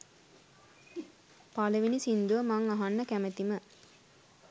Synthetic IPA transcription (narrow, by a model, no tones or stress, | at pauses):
paləʋinisind̪uʋəmaŋaɦanːəkæmət̪imə